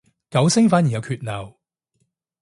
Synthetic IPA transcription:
kɐ˨˥wsɪ˥ŋfaː˨˥njiː˨˩jɐ˨˧wkʰyː˧t̚nɐ˨˩w

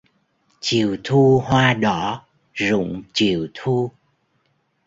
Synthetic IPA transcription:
t͡ɕḭ˨əwt̪ʰu˧hwaː˧ɗɔ˧˩˦ | zʊ̰˧˨ŋ͡mt͡ɕi˧˨əwt̪ʰu˧

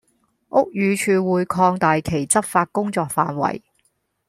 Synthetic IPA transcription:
ʔʊ˥k̚jyː˨˧t͡ʃʰyː˨wuː˨˧jkʰɔː˧ŋt̪aː˨jkʰe˨˩jt͡sɐ˥p̚faː˧t̚kʊ˥ŋt͡sɔː˧k̚fa̰ː˨˧nwɐ̰˨˩j

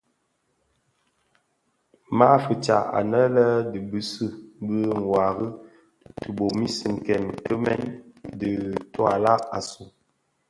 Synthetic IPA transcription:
ma˦fə˨t͡ʃa˨a̰˨nə˦lə˦di˨bɨ˦sɨ˦˨bə˦ŋ̩˨wa˨ɣə˦ | tu˨bo˨mi˦sə˨ŋ˨kɛ˨nkə˦mɛ˦ndə˨tɔ˦a˨la˦a˨su˨

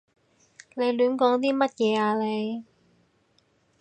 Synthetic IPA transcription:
le˨˧jlyː˨˥nkɔː˨˥ŋt̪̬iː˥mɐ˥t̚jɛː˨˧aː˨˧le˨˧j

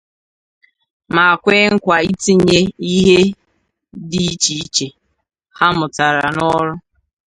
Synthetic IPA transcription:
ma˨a˨kʷe˦ŋ̩˦kʷa˨i˦ti˦ɲe˦i˦ɦe˦ | di˨˦i˦t͡ʃi˨i˦t͡ʃe˨ | ha˦mʊ˨ta˨ɾa̰˨nɔ˦ɾʊ˦

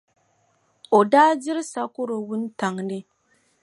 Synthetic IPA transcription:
o˨daː˦d͡ʒɪ˦ɾsa˦kʊ˦ɾo˨wu˦n˦ta˨ŋnɪ˦

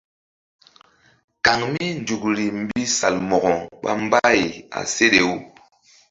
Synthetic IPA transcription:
ka˨ŋmi˦n˨du˨kɾi˨m˦bi˦sa˨lmɔ˨ɡɔ˨ɓa̰˦m˦ba˦i˨a̰˨se˦ɗe˨u˦

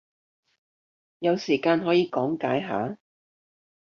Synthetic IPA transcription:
jɐ˨˧wsiː˨˩kaː˧nɦɔː˨˥jiː˨˧kɔː˨˥ŋkaː˨˥jɦa̰ː˨˥

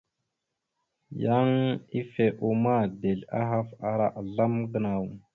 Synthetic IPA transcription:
ja˦ŋi˦fe˨ʔu˨ma˦˨de˨ɮa̰˦ɦa˦fa˨ɾa˨ʔɮa˦mɡə˦˨na˨w

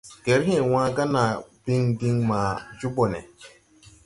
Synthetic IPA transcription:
ɡ̥e˨˦ɾɦɛ̃˨nw̃ãː˦ɡa˦na˨bi˦ŋbi˦ŋmaː˨d͡ʒu˦bo˨nɛ̰˨

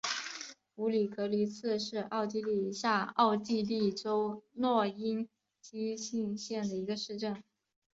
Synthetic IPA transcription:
u˧˥li˨˩kɤ˧˥li˧˥t͡sʰɹ̩˥˧ʂɻ̩˥˧ɑ˥˧ʊt͡ɕi˥˧li˥˩ɕja˥˧ɑ˥˧ʊt͡ɕi˥˧li˥˩ʈ͡ʂo˥ʊnwɔ˥˩i˥n | t͡ɕi˥ɕi˥˧nɕjɛ˥˩nd̪ə˩i˧˥ɡə˧ʂɻ̩˥˧ʈ͡ʂə˥˩n

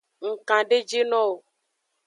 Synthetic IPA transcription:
ŋ̩˨kã˨ɖe˦d͡ʒe˦nɔ̃˦o˨

